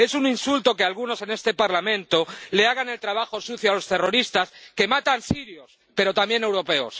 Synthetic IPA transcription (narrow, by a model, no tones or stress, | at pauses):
e̞suninsult̪o̞ke̞alɣ̞uno̞se̞ne̞st̪e̞paɾlamẽ̞nt̪o̞le̞aɣane̞lt̪ɾaβ̞axo̞suθjoalo̞st̪e̞ro̞ɾist̪aske̞mat̪ansiɾjo̞s | pe̞ɾo̞t̪ambje̞ne̞wɾo̞pe̞o̰s